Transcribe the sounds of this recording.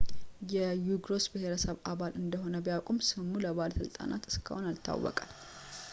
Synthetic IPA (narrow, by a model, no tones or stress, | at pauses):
jɛjuɡɾo̞sbəhe̞ɾəsəβaβalʔɨnd̪əɦo̞nəbijakʷʼumsɨmːuləβalsɨlt̪ʼa̰na̰t̪ɨ̥skʰəho̞nalt̪ʰːa̰wːɔ̰kʼal